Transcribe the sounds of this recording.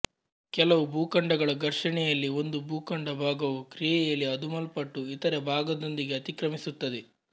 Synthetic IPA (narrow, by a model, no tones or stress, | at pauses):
kɛlɐʋubuːkɐɳɖɐɡɐɭɐɡɐɾʂɐɳɛjɐlːio̞nd̪ubuːkɐɳɖɐbʱaːɡɐʋukɾijɛjɐlːiɐd̪umɐlpɐʈːuit̪ɐɾɐbʱaːɡɐd̪o̞nd̪iɡe̞ɐt̪ikɾɐmisut̪ːɐd̪e